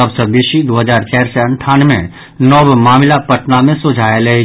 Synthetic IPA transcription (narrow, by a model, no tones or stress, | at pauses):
əbsəbiʃid̪oːɦəzaːɾt͡ʃɛːɾseə̃ɳʈʰaːnmḛ̃ | nɔːbmaːmɪlapəʈnamẽsod͡ʒʱaːeləɦi